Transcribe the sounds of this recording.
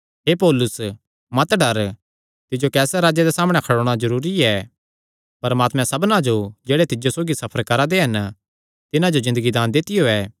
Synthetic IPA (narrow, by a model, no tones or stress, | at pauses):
ɦeːpoːlʊs | mɐt̪ɖɐɾ | t̪ɪd͡ʒokɛːsɛɾaːd͡ʒed̪esaːməɽ̃ɛkʰɐɽoːɽ̃azɐɾuːɾiɛː | pɐɾmaːt̪mɛ̃sɐbnad͡ʒod͡ʒɛːɽet̪ɪd͡ʒosoːɡisɐpʰəɾkɐɾad̪eɦɐn | t̪ɪnãd͡ʒozɪ̃nd̪əɡid̪aːnd̪ɪt̪ɪjoɛː